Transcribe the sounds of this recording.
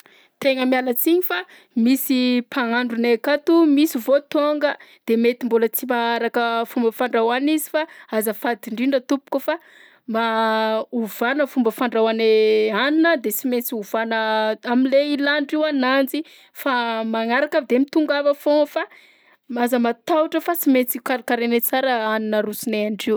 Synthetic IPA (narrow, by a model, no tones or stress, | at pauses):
t̪eŋəmjalət͡siɲifa | misipʰaŋaɳɖ͡ʐunekat̪umisivot̪oŋɡəd̪̥emet̪imbulət͡simaaɾakəfumbəfaɳɖ͡ʐawanizifaazəfad̪iɳɖ͡ʐiɳɖ͡ʐət̪upu̥kufa | ma | uvanəfumbəfaɳɖ͡ʐawaneaninəd̪et͡siment͡siuvanəaminleilanɖ͡ʐiwanand͡zi | famaŋaɾakavd̪emit̪uŋɡavəfõfa | mazəmat̪awuʈ͡ʂəfat͡simet͡sikaɾkaɾenet͡saɾəaninəɾusineaɳɖ͡ʐiw